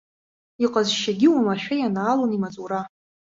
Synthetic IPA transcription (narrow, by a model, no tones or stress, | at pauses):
iqʼazʃaɡʲɪwamaʃᶣajanaːlonimat͡sʼuɾa